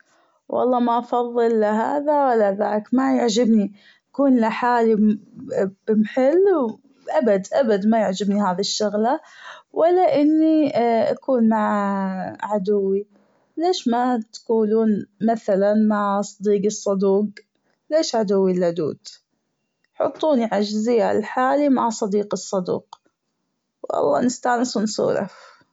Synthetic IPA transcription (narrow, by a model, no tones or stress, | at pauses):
wʔɑ̰lˤːɑːmaʔɑfɑðˤːɨlːɪɦaːðawalːaðaːkmajʊʕd͡ʒɪbni | ʔakuːnlɪħaːli | b̥ɪmħɪlː | ʔabad̪ʔabad̪majɪʕd͡ʒɪbniɦaːðiʃːʊɣlawʔɪlːaʔɪnːiʔa̰kuːnmaʕ | ʕad̪ʊwːi | leːʃmat̪ḁkuːluːnmaθalanmaʕsˤɑd̪iːɡɨsˤːɑd̪uːq | leːʃʕad̪ʊwːilad̪ṵːd̪ | ħʊ̰t̪ˤːuːniʕad͡ʒzɪjːalħaːlimaʕsˤɑd̪iːqɨsˤːɑd̪ṵːq | wʔɑ̰lˤːɑ̰ːnɪst̪aːnɪswnsṵːɾɑ̰f